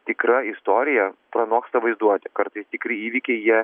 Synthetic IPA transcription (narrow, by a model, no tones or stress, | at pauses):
t̪ʲɪkɾɐɪst̪oːɾʲɪjɛpɾɐnoːkst̪ɐʋɐɪzd̪uɔt̪ʲɪkɐɾt̪ɐɪst̪ʲɪkɾʲɪiːʋʲikʲɛɪjiɛ